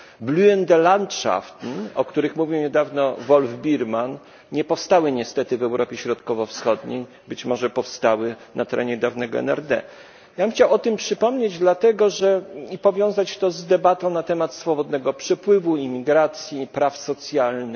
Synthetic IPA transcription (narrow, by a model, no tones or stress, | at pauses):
bluɛnd̪ɛlant̪ʂa̰ft̪nɔkt̪uɾɘxmuvʲiwɲɛd̪avnɔvɔlvbʲiɾman | ɲɛpɔfst̪awɘɲɛst̪ɛt̪ɘvɛwɾʔɔpʲjeɕɾɔt̪kɔvɔfsxɔd̪ɲḛj | bɘt͡ɕmɔʐɛpɔfst̪awɘnat̪ɛɾɛɲɛd̪avnɛɡɔɛ̰nɛ̰ɾd̪ɛ̰ | jabɘmxt͡ɕawɔt̪ɘmpʂɘpɔmɲed͡ʑd̪lat̪ɛɡɔʐɛipɔvʲjɔ̃w̃zat͡ɕt̪ɔzd̪ɛbat̪ɔ̃w̃nat̪ɛmat̪sfɔbɔd̪nɛɡɔpʂɛpwɘvuimʲiɡɾat̪sʲjipɾafsɔt̪sʲjalnɘx